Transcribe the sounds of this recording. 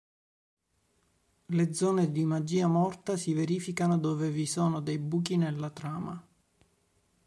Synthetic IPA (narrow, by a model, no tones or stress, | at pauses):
led̪zːɔːned̪imad͡ʒiːamɔrt̪asiveɾiːfikanod̪oːvevisɔːnod̪ejbuːk̬inelːat̪ɾaːma